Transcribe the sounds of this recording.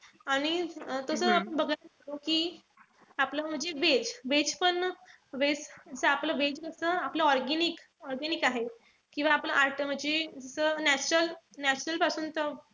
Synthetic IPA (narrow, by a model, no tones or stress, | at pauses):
aɽ̃it̪əsəapəɳbəɡət̪at̪okiː | apləm̤əɳd͡zeʋed͡ʑʋed͡zpəɳ | ʋed͡zd͡zəsəapləʋed͡ʑkəsəːapləɔɾɡenik | ɔɾɡɛnikaɦe | kĩw̃ʋaːpləʔaɾʈəm̤əd͡zed͡zəsəːnæt͡ɕɾəl | næt͡ɕɾəlpasuːnt̪ə